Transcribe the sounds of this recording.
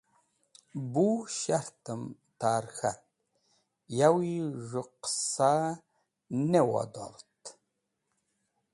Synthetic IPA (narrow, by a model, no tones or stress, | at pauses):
buʃaɾt̪əm | t̪aɾxat̪̚ | jawiʐɨqsa | newa̰d̪a̰lt̪